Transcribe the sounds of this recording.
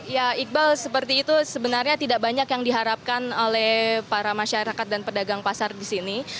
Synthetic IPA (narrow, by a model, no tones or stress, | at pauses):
jaik̚balsəpərt̪iːt̪usəbənarɲat̪idaʔbaɲakjaŋdiɦaɾap̚kanolɛhpaɾamaʃaɾakat̪̚danpədaɡaŋpasardisini